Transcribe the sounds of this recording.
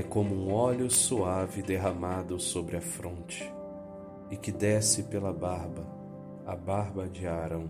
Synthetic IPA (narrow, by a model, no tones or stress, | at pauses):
ɛkõmʊũɔʎʊsuavɪd̪eɦɐmad̪ʊsobɾɪɐfɾõnt͡ʃɪ̥ | ɪkɪd̪ɛsɪpelɐbaɾbɐ | ɐbaɾbɐd͡ʒɪaɾɐ̃w̃